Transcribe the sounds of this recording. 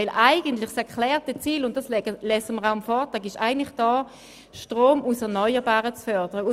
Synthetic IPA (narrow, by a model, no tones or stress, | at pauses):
ɪlʔaɪɡəntlɪχsɛɐkʰlɛːʁtɛt͡siːlʊnt̚d̥ɑsɛəlɛsəməʁaʊamfɔːɐtʁɑːɡɪʃa̰ɪɡəntlɪχd̥ɑː | ʃtʁoːmusɛɐnɔʏəbaːʁət͡sfœɐd̥əʁəʊ